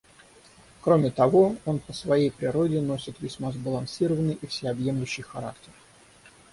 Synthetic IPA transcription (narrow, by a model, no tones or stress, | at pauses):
kɾomʲɪt̪ɐvo̞o̞npəsvɐjejpɾʲɪɾo̞dʲɪno̞sʲɪt̪vʲɪsʲmazbəlˠɐnsʲiɾəvənːɨjʔifsʲeɐbje̞mlʲʉɕːɪjxɐɾaktʲɪr